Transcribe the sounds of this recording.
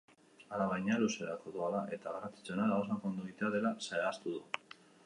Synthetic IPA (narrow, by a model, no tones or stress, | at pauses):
aɾaβajɲaluse̞ɾakoðualaʔe̞t̪aɣaɾat͡s̪i̥t͡senaɾaosakond̪uit̪eaðe̞lasaeast̪uðu